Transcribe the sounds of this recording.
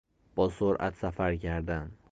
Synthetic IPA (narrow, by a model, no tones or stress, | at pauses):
b̥ɒsoɾʔa̰t̪safaɾɡʲaɾd̪an